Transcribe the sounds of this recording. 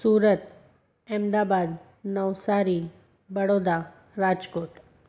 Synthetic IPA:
suːɾət̪ | ɛmd̪abad̪ | nəʋsaɾi | bəɽod̪a | ɾad͡ʒkoːʈ

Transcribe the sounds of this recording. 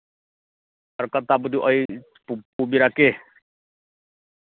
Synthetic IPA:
aɾkat̪abud̪uʔɔj | pupubiɾakeh

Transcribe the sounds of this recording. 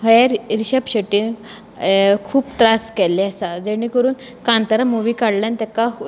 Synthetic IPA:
ɦəjaɾɾiɕəpɕəʈiːn | kʰuːpt̪ɾaskɛlːeəsad͡zeɽ̃ikəɾuːn | kãnt̪əɾamuʋiːkaɽljãnt̪ɛka

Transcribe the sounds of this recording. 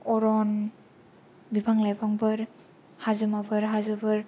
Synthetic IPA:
ɔɾɔn | bibʱaŋlajbaŋbɯɾ | hazɯmabɯɾɦazɯbɯɾ

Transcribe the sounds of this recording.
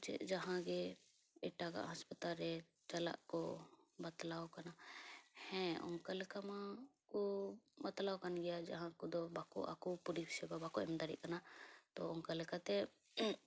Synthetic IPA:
t͡ʃɛ̰ʔd͡ʒaɦãɡɛ | ɛʈaɡa̰ʔɦaspat̪alɾɛ | t͡ʃala̰ʔkɔbat̪lawkanahɛ̃ɔ̰ŋkalɛkamakɔbat̪lawkanɡɛjad͡ʒaɦãkɔd̪ɔbakɔ̰ʔa̰kupuɾibisɛbabakɔʔɛmd̪aɾḭʔ̚kanat̪ɔɔŋkalɛkat̪ɛ

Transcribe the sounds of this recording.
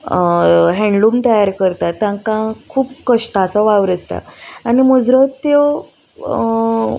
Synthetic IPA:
ɦɛ̃ɳɖlumt̪əjaɾkəɾt̪at̪ːjãkãkʰuːpkəʂʈat͡sɔʋaʋɾəd͡zt̪a̰animəd͡zɾət̪ːjo

